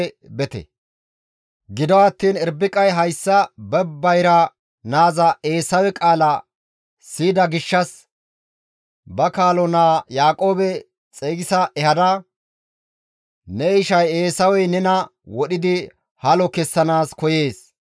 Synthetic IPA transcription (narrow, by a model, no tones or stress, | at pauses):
bɛt̪ɛ̰ | ɡɪd̪ɔɐt̪ːiːnɛɾbɪkʼɐjɦɐjsːɐbɛbːɐjɾɐ | naːzɐʔe̞ːsɐwɛkʼaːlɐ | siːd̪ɐɡɪʃːɐs | bɐkaːlɔnaːjaːkʼo̞ːbɛ | t͡sʼeːɡɪsɐʔɛhɐd̪ɐ | nɛɪʃɐje̞ːsɐwɛjnɛnɐwɔɗɪd̪ɪ | hɐlɔkɛsːɐnaːskɔje̞ːs